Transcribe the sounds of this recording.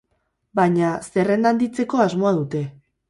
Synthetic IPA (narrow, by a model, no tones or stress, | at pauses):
baɲase̞re̞nd̪and̪it͡se̞ko̞azmo̞að̞ut̪e̞